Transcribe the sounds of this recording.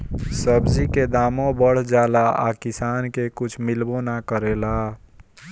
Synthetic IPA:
səbd͡ʒiked̪aːmõbəɽ̤d͡ʒaːlaa̰kɪsaːnkekʊt͡ʃʰmɪlbõnakəɾeːla

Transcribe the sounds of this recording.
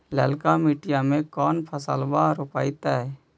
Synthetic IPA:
lɛːlkamiʈɪjamẽkɔːnpʰəsəlbaɾopaːɪt̪aːɦɛː

